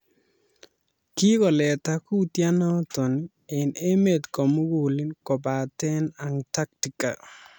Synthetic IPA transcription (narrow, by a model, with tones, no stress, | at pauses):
ki˦kɔ˨lɛ˨ta˨ku˦tja˦nɔ˦tɔ˨n˦ | ɪ˨ne˦me˨d̪kɔ˨mʊ˦ɡu˨li˦nkɔ˨ba˨tɛ˦na˨ŋta˦k̚ti˨ka̰˨